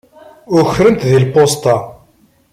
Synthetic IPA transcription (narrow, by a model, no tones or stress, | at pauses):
ʊçɾənt̪ðilpost̪ɑ